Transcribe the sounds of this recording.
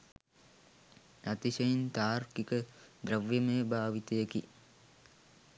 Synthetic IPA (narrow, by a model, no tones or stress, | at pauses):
ɐt̪iʃɐjint̪aːrkikəd̪ɾɐʋjɐmejbʱaːʋit̪ɐjekḭ